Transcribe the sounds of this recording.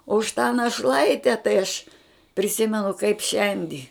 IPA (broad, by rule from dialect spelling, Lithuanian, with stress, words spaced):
oː ʊʃ tɑː nɐˈʃlˠɐɪtʲɛ tɐɪ ɐʃ pʲrʲɪˈsʲɪmʲɛnʊ kɐɪp ˈʃʲɛnʲdʲɪ